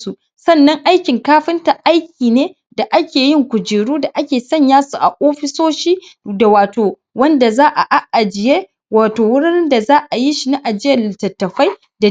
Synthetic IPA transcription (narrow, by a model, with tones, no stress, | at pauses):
su˨ | sɐ˦˨nːɐ˦ŋʔa˦jkʲɪ˨ŋkaː˦ɸɪ˦nta˨ʔa˦jkʲiː˨neː˦ | da˨ʔa˦kʲeː˨jɪ˦ŋkʷʊ˨d͡ʒɪː˨ɽuː˦da˨ʔa˦kʲeː˨sɐ˦˨ɲjaː˦su˨ʔa̰˨ʔoː˦ɸɪ˦soː˦ʃiː˦ | da˨waː˨toː˨ | wɐ˦nda˨zaː˦ʔa˨ʔa˨ʔa˨d͡ʒɪ˨je˦ | waː˨toː˨wʊ˦ɽɪ˦nnda˨zaː˦ʔa˨ji˦ʃi˨na˦ʔa˨d͡ʒɪ˦jɐ˦˨ltɐ˨tːɐ˨ɸa˦j | da˨